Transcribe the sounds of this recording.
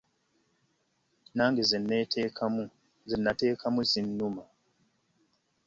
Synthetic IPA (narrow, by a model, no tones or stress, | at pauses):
naːŋɡizinetʰkamu | zinːateːkʰamuzinːuma